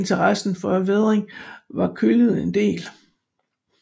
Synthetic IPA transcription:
nt͡sʰɐʁɑsn̩fɒʋeð̞ˠʁeŋʋɑ̈kʰøləð̩ˠe̝nd̥e̝̰ːl

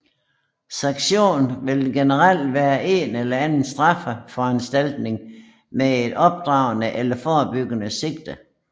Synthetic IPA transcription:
sɑ̈ŋɡ̥ɕo̝̰ːnʋe̝lɡ̥enəʁɑl̰d̥ʋæːɐʔe̝nelɐænn̩sd̥ʁɑ̈fəfɒænsd̥æl̰d̥ne̝ŋ | mee̝d̥ɒ̽b̥̚d̥ʁɑ̈ʊnəʔelɐfɒːb̥yɡ̥ənəse̝ɡ̥d̥ə

